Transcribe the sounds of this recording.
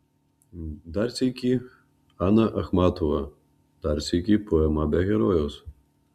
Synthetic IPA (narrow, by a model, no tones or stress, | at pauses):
d̪arsʲijkʲi | anɐʔɐxmat̪ɔvɐ | d̪̥art͡sʲikʲipɔɛmabʲaɣʲɛɾɔjɛws